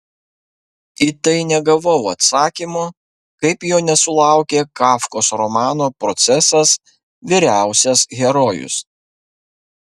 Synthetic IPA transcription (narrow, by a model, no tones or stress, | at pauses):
it̪ɐɪnʲɛɡɐʋɔʊɐt̪sɑːkʲimoː | kɐɪpjoːnʲɛsʊlˠɑˑʊkʲeːkɑːfkoːsɾɔmɑːnoːpɾɔt̪sʲɛsɐs | ʋʲiɾʲæˑʊsʲɛsɣʲɛɾoːjʊ̰s